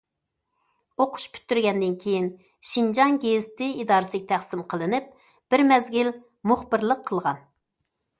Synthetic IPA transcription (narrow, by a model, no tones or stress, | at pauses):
oqʰʊ̥ʃpʰy̥t̪ːyɾɡʲɛnd̪ɪnkʲʰejin | ʃind͡ʒɑŋɡʲezt̪ʰɪid̪ɑːɾɨskʲt̪ʰæχsɪmqʰəlˠɨnɪp̚ | b̥ɪɾmɛzɡʲil | mʊχbɨɾlˠəqʰːəlˠʁɑn